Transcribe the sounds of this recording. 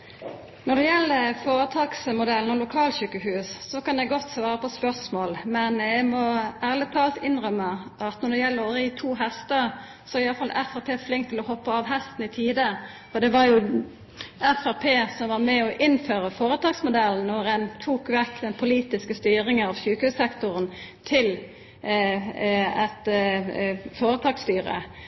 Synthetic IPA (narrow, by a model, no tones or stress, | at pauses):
nɔd̪ɛjɛlːəfoːɾət̪ʰɑːɡsmʊd̪ɛln̩ɔlʊkʰɑːlɕʉːkəhʉːssɔkɑnɛɡɔt̪ːsʋɑːɾəpɔspœʁsmoːlmɛnæɡmɔæːʁlət̪ʰɑːlt̪ɪnɾœmːəʔɑt̪nɔd̪ɛjɛlːəɾɔɾiːt̪ʰuːɦɛst̪əɾ | sɔæɾɪɑlːəfɑlʔæfæpʰeːflɪŋkt̪ʰːɪlɔhɔpːəɑʋɦɛst̪n̩ɪt̪ʰiːd̪ə | fɔd̪ɛʋɑɾjʊ | æfæʁpʰeːsɔmʋɑɾmɛɔʔɪnːføːɾəfoːɾət̪ʰɑːɡsmʊd̪ɛln̩ɔɾɛnt̪ʰuːkʋɛkːd̪ɛnpʰʊliːt̪ɪskəst̪yːɾɪŋənɑʋsʉːkəhʉːssɛkt̪ʊɾənt̪ʰɪl | ɛt̪ | foːɾət̪ʰɑːɡst̪yːɾə̰